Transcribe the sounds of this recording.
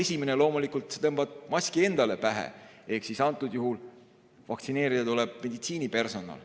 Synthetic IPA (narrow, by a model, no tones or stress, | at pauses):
e̞sʲimenelo̞ːmulikˑult̪ˑset̪ɤmb̥ɑd̪̥̚mɑsʲkie̞nd̪ɑle̞pæɦḛ | e̞hksisɑnt̪ːˑud̪̥juɦul | vɑk̚t̪sine̞ːɾid̪ɑt̪uleb̥̚me̞d̪̥it̪siːnipe̞rso̞nɑ̰l